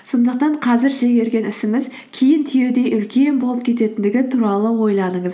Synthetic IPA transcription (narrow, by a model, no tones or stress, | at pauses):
so̞nd̪əq̚t̪ɑɴqʰɑzɪɾʒeɡʲe̞ɾɡʲe̞nɪsɪmɪz | kʲʰejɪnt̪ʰije̞d̪e̞jʔʏlkʲe̞nbolˠəp̚kʲʰe̞t̪e̞t̪ɪnd̪ɪɡʲɪt̪ʰuɾɑlˠəwo̞jlˠɑnəɴəz